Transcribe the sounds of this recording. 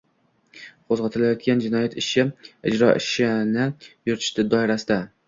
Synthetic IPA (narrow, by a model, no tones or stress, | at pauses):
qʰozʁɑt̪ʰɪlajɒt̪̚ɡʲand͡ʒɪnɒjat̪ʰɪʃɪɪ̰d͡ʒɾɒʔɪ̰ʃɪnɪjʊɾt̪ʰɪ̥ʃt̪ɪd̪ɒɪɾasɪd̪a